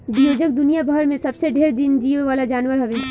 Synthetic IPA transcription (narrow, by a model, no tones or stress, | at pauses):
bijoːd͡ʒək̚d̪ʊnijabʱəɾmẽsɐbseɖʱeːɾd̪ɪnd͡ʒiːeʋaːlad͡ʒaːnwəɾɦɐʋeː